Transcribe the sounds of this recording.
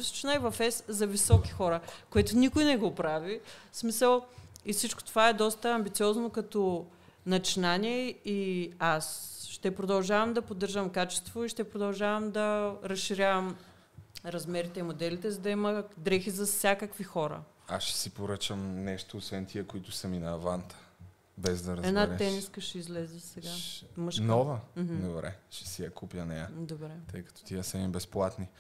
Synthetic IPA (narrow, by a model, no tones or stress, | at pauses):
si̥t͡ʃunajvɐfɛszɐvisɔki̥xɔɾəkoɛt̪ʊnikʊjnɛɡopɾavismisəlˠifsit͡ʃko̥t̪ovaɛd̪ɔst̪əɐmbit̪siɔznokɐt̪ɔ | nɐt͡ʃinaniɛiasʃt̪ɛpɾod̪ɐlˠʒavɐmd̪ɐpod̪ːɤɾʒəmkat͡ʃɛ̥st̪voiʃt̪ɛpɾod̪ɐlˠʒavɐmd̪ɐɾɐsʃiɾʲjavɐm | ɾɐzmɛɾit̪ɛimod̪ɛlit̪ɛzɐd̪ɐimɐd̪ɾɛxizɐfsʲjakəkvixɔɾə̰ | asʃɛ̥sipoɾət͡ʃəmnɛʃt̪oːsvɛnt̪ʰiɛkoit̪ʊsɐminɐːvant̪ʰə̥ | bɛzd̪ɐɾɐzɛnaɾɛt̪ɛniskəʃɛizlɛzɛsɛɡamɤʃknɔvəm̩ɦm̩d̪obɾɛ̰ʃɛ̥sijɐkʰupjənɛjɐd̪obɾɛt̪əjkɐ̥t̪ɔ̥t̪iəsɛimbɛsplˠat̪ni